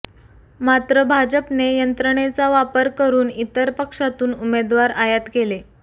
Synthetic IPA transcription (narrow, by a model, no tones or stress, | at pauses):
mat̪ɾəbʱad͡ʑəpnejənt̪ɾəɳ̃et͡saʋapəɾkəɾuːnit̪əɾpəkʂat̪uːnumed̪ʋaɾajət̪kele